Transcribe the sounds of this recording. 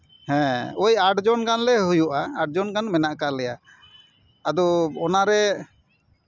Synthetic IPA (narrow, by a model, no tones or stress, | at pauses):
hɛ̃ɔjaɖd͡ʒɔnkanlɛɦujuʔaːɖ̚d͡ʒɔnkanmɛnaʔkalɛja | ad̪ɔɔnaɾɛ